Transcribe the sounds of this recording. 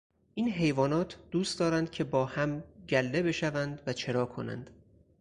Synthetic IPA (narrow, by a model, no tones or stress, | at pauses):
ʔiːnɦe̞jvɒːnɒːt̪ʰd̪̥uːst̪d̪ɒːɾænd̪̥̚cʲʰe̞bɒːhæmɟælːe̞be̞ʃævænd̪væt͡ʃʰe̞ɾɒːkʰo̞næ̰nd̪̥